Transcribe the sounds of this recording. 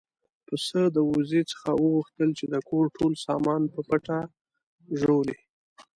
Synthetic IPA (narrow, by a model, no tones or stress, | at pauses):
pəsəd̪əwuzit͡sə̥xawəɣuxt̪əlt͡ʃed̪əkʰoɾʈʰolsɑmɑnpəpəʈa | ʒoli